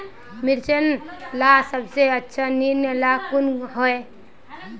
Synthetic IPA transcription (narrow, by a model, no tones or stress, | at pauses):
miɾsənlasəbseətːʃʰaninːəlakunɦoe